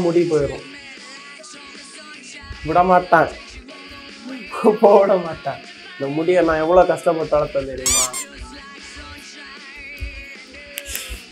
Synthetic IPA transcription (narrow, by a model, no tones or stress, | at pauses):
mʊɽipoːjɾʊ̃ː | ʋɪɽɐmaːʈːãː | poːʋɪɽɐmaːʈːãː | nɐmʊɽɪjɐnãːɛʋːɐɭoːkɐstɐpːɐʈːɯɐɽɐt̪ːɐnd̪ɪɾɯŋɡaː